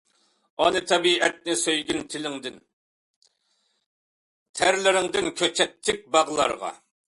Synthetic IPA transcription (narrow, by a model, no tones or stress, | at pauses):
ɑnɨt̪ʰɑbiɛt̪̚nɪsøjɡʲynt̪ʰɪlɪŋd̪ɪn | t̪ʰæɾlɪɾɪŋd̪ɪnkʲʰøt͡ʃʰɛt̪ʰːɪk̚ʲbɑʁlˠɑ̰ɾʁɑ̰